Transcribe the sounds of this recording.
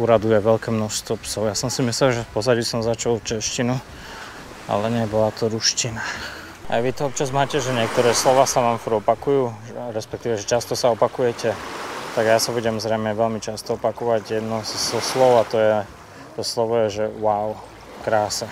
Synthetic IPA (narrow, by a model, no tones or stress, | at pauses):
uɾad̪ujɛʋɛʎkɛːmnɔʃst̪ʋɔpsɔʊjasɔmsimislɛlʒɛfpɔzaɟisɔmzat͡ʃɔlft͡ʃɛʃcinu | a̰lɛɲɪɛbɔlat̪ɔɾuʃcina | a̰jʋit̪ɔɔp̚t͡ʃazmaːcɛʒɛɲɪɛk̚t̪ɔɾɛːslɔʋaːsaʋaːmfɔɾɔpakujuː | ɾɛspɛk̚t̪iːʋɛʒɛt͡ʃast̪ɔsaɔpakujɛcɛt̪aɡjasabuɟɛmzɾɛjmɛʋɛlmit͡ʃast̪ɔɔpakɔʋaɟjɛd̪nɔzɔslɔʊat̪ɔjɛ | t̪ɔslɔʋɔjɛʒɛwaʊ | kɾaːsɛ